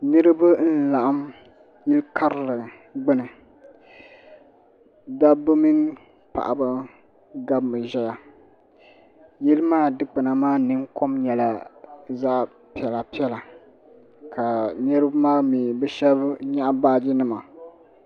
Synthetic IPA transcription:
nɨ˦ɾɨ˦bɨ˦n̩˦la˨ʔa˦m | jɛ˦lka˦ɾɨ˨lɨ˨ | ɡ͡bɨ˦nɨ˨ | da˦bɨ˦mi˦ŋ | pa̰˨ʔa˨bɨ˦ | ɡa˦bmɨ˨ʒɛ˦ja˨ | jɛ˦lɨ˦maː˦dɨ˦k͡pɨ˨na˨maː˦nɨ˦ŋko˦mɲɛ˨la˨za˦ʔ | pi˨ɛ˨la˨pi˦ɛ˦la˨ | kʰa˨nɨ˦ɾɨ˦bmaː˦mi˨bɛ˦ʃɛ˦bɲa˦ʔbaː˦d͡ʒi˦nɨ˦ma˨

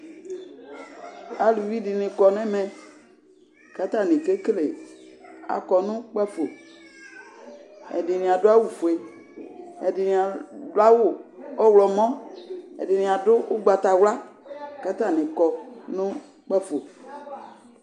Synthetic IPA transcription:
a˨lu˨vi˦dɪ˨nɪ̃˨kɔ˨nɛ̃˦mɛ̃˨ | ka˦t̪a˦˨nɪ̃˨ke˦kle˨ | a̰˨kɔ˨nʊ̃˦k͡pɛ˦fo˨ | ɛ̰˨dɪ˨nɪ̃˨a˨dʊ˦a˦wu˨fu˨e˨ | ɛ˨dɪ˨nĩ˨a˨dʊ˦a˦wʊ˦ɔ˦wlɔ˨mɔ̃˦ɛ̰˨dɪ˨nĩ˨a˨dʊ˦ʔʊ˦ɡ͡ba˨t̪a˨wla˦ka˦t̪a˦˨nɪ̃˨kɔ˨nʊ̃˦ | k͡pɛ˦fo˨

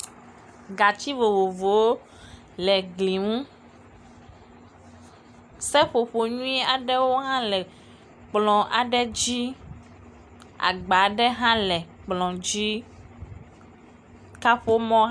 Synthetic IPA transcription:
ɡa˨t͡ɕi˦vo˨vo˨vo˨wo˦ | lɛ˨ɡli˨ŋũ˦ | sɛ˦ɸo˨ɸo˨ɲũ˦ɛ˦a˨ɖɛ˦wo˦ɦã˦lɛ˨ | k͡plɔ̃˨ʔa˨ɖɛ˦d͡ʑi˦ | a̰˨ɡ͡ba˨ɖɛ˦ɦã˦lɛ˨k͡plɔ̃˨d͡ʑi˦ | ka˦ɸo˦mɔ̃˦

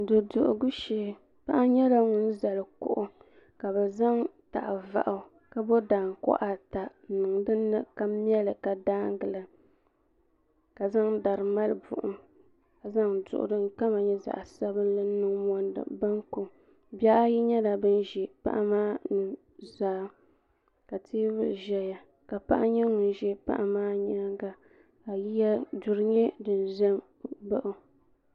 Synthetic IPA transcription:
dɨ˨dʊ˨ʔʊ̰˨ɡʊ˦ʃe˨ | pa˦ʔa˦ɲɛ˦la˦ŋʊ˦n̩˦za˨lɨ˨kʊ̰˦ʔʊ˦ | ka˨bɛ˨za˦ŋ | ta̰˨ʔva̰˨ʔa˨ | ka˦bo˦daː˨ŋ˨kɔ̰˦ʔa˨ta˨nɨ˨ŋdɨ˦nːɨ˦ka˦m˦ɛ˦lɨ˨ka˨daː˦ŋ˦ɡɨ˨la˨ | ka˨za˦ŋda˨ɾɨ˨ma˦lɨ˨bʊ̰˨ʔʊ˨m | a˨za˦ŋdʊ̰˨ʔʊ̰˨dɨ˦ŋ̩˦ka˦ma˨ɲɛ˦za̰˨ʔsa˦bɨ˦n˦la˦nɨ˦ŋmɔ˦ndɨ̰˨ba˦ŋko˨ | bɛ˦ʔa˦ji˦ɲɛ˦la˨bɨ˦n˦ʒɛ˨pa̰˦ʔa˦maː˦nɨ˨ | zaː˨˦ | ka˨tʰeː˦bɨ˦lʒɛ˦ja˨ | ka˨pa̰˦ʔa˦ɲɛ˦ŋʊ˨n˦ʒɛ˦pa̰˦ʔa˨maː˦ɲɛ˦ɡa˨ | ka˨ji˦ja˦dʊ˨ɾɨ˦ɲɛ˦dɨ˨n˨ʒɛ˦m | bɨ˦ʔʊ˦

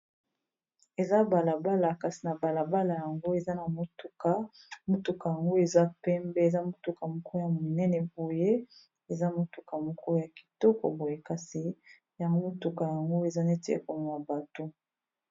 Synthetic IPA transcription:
e˨za˦ba˨la˨ba˦la˨ka˨si˨na˨ba˨la˨ba˦la˨ja˨ŋɡo˦e˨za˦na˨mo˦tu˨ka˨mo˦tu˨ka˨ja˨ŋɡo˦e˨za˦pɛ˦mbɛ˦˨za˦mu˦tu˨ka˨mɔ˨kɔ˦ja˨mu˨nɛ˦nɛ˨bo˨je˦ | e˨za˦mo˨tu˨ka˨mɔ˨kɔ˦ja˨ki̥˨tɔ˦kɔ̰˨bo˨je˨ka˨si˨ | ja˨ŋɡo˦mo˦tu˨ka˨ja˨ŋɡo˦e˨za˦ne˦ti˦ḛ˦ko˨n˨a˨ba˨to˦

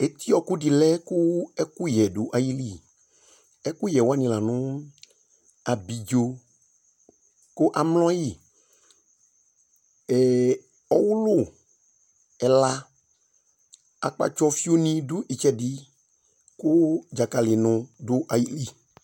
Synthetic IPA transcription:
e˨t̪i˦ɔ˨kʊ˦di˨lɛ˦kʊ˦ɛ˦ku˦jɛ˨dʊ˨ʔa˨ji˦li˦˨ | ɛ˦ku˦jɛ˨wa˦nĩ˦la˨nʊ̃˦ | a˨bi˨d͡ʒo˦ | kʊ˦ʔa˨mlɔ̃˦ji˦˨ | ɛ˨ | ɔ˨wʊ˦lʊ˦ | ɛ˨la˦ | a̰˨k͡pa̰˨t͡ʃɔ˦fi˦o˦nĩ˦dʊ˦ʔi˨t͡ʃɛ˦di˨ | kʊ˦d͡ʒa˨ka˨lɪ˨nʊ̃˨dʊ˦ʔa˨ji˦li˦˨

